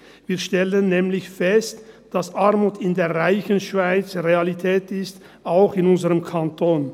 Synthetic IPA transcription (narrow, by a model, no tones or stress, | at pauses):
viːɐʃtɛlənːɛːmlɪçfɛstd̥asʔaɐmuːtɪndeːɐʁaɪçən̩ʃv̥aɪt͡sʁealitʰɛːtɪst | aʊxɪnʊnzəʁəmkʰantʰoːn